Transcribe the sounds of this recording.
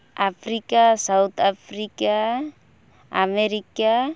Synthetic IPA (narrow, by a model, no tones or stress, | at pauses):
afɾikasawt̪afɾika | ameɾika